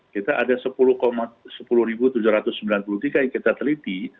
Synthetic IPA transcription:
kit̪aʔadasəpulʊhkomasəpulʊhɾibut̪ud͡ʒuɾat̪ʊsəmbilanpulut̪iɡaŋkit̪at̪əlit̪i

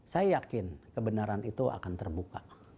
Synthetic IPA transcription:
sajajakɪnkəbənaɾanit̪ua̰kant̪ərbuka

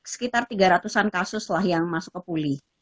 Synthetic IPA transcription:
sə̥kit̪art̪iɡaɾat̪usankasʊslahjaŋmasʊkːəpulɪh

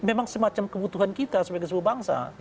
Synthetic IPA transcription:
memaŋsəmat͡ʃamkəbut̪uɦankit̪asəbaɡsəbubaŋsa̰

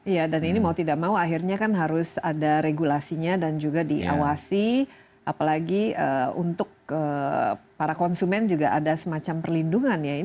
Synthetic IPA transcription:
ijadaninimaut̪idak̚mauaɦirɲakanɦaɾʊsa̰daɾeɡulasiɲadand͡ʒuɡadḭʔa̰wasi | ʔapalaɡiə̰ṵnt̪ʊk̚ə | paɾakɔnsumɛnd͡ʒuɡaʔadasəmat͡ʃampərlinduŋanjain

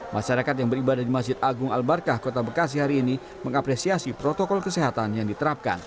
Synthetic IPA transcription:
mʔaʃaɾakat̪̬̚jaŋbəɾibadahdimasd͡ʒɪt̪aɡʊŋalbarkahkot̪abəkas̬iɦaɾiːni | məŋapɾesiasipɾot̪okɔlkəseɦat̪anjaŋdit̪əɾap̚ka̰n

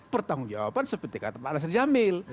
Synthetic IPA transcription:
pərt̪aŋuŋd͡ʒawa̰pansəpət̪ikat̪əpalas̬ərd͡ʒamɪl

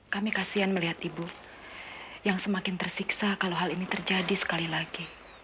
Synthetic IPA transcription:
kamikasianməliɦat̪ibu | jaŋsəmakɪnt̪ərsiksakaloɦalinit̪ərd͡ʒadisə̥kalilaɡi

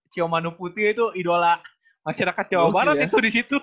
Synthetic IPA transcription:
t͡ʃiɔmanuput̪iit̪uidola | maʃaɾakat̪̚d͡ʒawabaɾat̪it̪udisit̪u

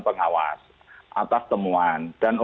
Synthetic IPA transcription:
pəŋawa̰s | ʔat̪ast̪əmuand̥anu

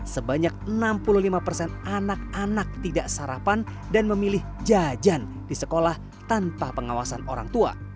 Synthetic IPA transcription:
səbaɲak̚ənampuluhlimapərsɛnanak̚anak̚t̪idaʔsaɾapan | danməmilɪhd͡ʒad͡ʒan | disəkolah | t̪anpapəŋawasano̰ɾa̰ŋt̪ua̰

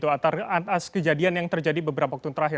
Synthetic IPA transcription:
t̪uat̪arat̪askəd͡ʒadianjaŋt̪ərd͡ʒadibəbəɾapawakt̪unt̪əɾaɦɪr

